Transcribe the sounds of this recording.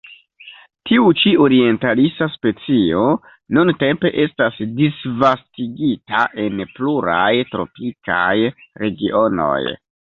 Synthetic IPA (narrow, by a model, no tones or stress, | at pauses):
tʰiut͡ʃio̞ɾie̞ntalisaspe̞t͡sio̞ | nunte̞mpe̞ʔe̞stasdisvastiɡita̰ʔe̞npluɾajtɾo̞̰pika̰jɾe̞ɡiʔo̞no̞̰j